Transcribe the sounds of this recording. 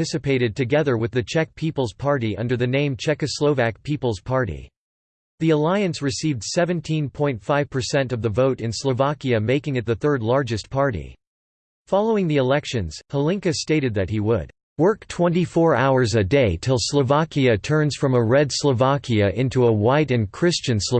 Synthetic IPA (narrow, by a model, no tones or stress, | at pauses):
ɪsɨpʰeɪɾɨd̚tʰɨɡɛðə˞wɨðɨt͡ʃʰɛk̚pʰipl̩ˠz̥pʰɑɹɾiʔʌ̃ndə˞ðɨnẽɪ̃mt͡ʃʰɛkɨsloʊvæk̚pʰipl̩ˠz̥pʰɑɹɾḭ | ðiəlaɪɨ̃nsɹɨsivd̥sɛvɨ̃ntʰĩnpʰɔ̃ɪ̃ntfaɪv̥pʰə˞sɛ̃ntʌvðəvoʊɾɨ̃nsləvɑkiɨmeɪkɪ̃ŋɨt̪̚ðɨθɜ˞dˡlɑɹd͡ʒɨspʰɑɹɾḭ | fɑlˠoʊɪ̃ŋðiɨlɛkʃɨ̃nz̥həlɪ̃ŋkɨsteɪɾɨd̪̚ðɨt̚hiwəd̥̚ | wɜ˞ktʰw̥ɛ̃ntifɔɹa̰ʊə˞zɨdeɪtʰɪlˠsləvɑkiɨtʰɜ̃˞nz̥fɹʌ̃məɹɛdsləvɑkʰiɨʔɪ̃ntuəwaɪɾɨ̃nkʰɹ̥ɪst͡ʃɨ̃nslə